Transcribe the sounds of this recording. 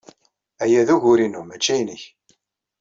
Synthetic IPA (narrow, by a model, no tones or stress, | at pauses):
æjæðuʝʊɾinumæt͡ʃːæjnəç